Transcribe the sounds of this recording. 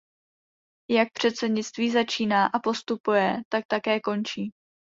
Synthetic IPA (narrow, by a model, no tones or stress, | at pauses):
jak̚pr̝̥ɛt̪sɛdɲɪt͡st̪viːzat͡ʃiːnaːʔapo̞st̪upujɛt̪ak̚t̪akɛːko̞nt͡ʃiː